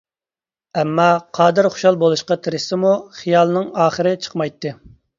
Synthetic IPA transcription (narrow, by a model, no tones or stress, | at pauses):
ɛmːɑqʰɑːd̪ɨɾχo̥ʃɑlˠbolˠuʃqɑt̪ʰɪɾɪsɪmuχijɑlˠnɨŋɑːχəɾɪt͡ʃʰə̥qmɑjt̪ʰːɨ